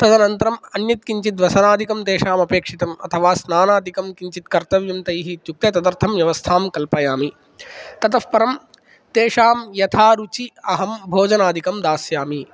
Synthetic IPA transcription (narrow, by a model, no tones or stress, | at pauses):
t̪ɐd̪ɐnɐnt̪ɐɾɐmɐnjɐt̪kiɲt͡ʃit̪ʋɐsɐnaːd̪ʱikɐmt̪eːʂaːmɐpeːkʂit̪ɐmɐ̰t̪ʰɐʋaːsnaːnaːd̪ʱikɐmkiɲt͡ʃit̪kɐɾt̪ɐʋjɐmt̪ɐjɦit̪juk̚t̪et̪ɐd̪ɐɾt̪ʰɐmʋjɐʋɐst̪ʰaːmkɐlpɐjaːmi | t̪ɐt̪ɐfpɐɾɐm | t̪eːʂaːmjɐt̪ʰaːɾut͡ʃiɐɦɐmbʱoːd͡ʒɐnaːd̪ʱikɐmd̪aːsjaːmi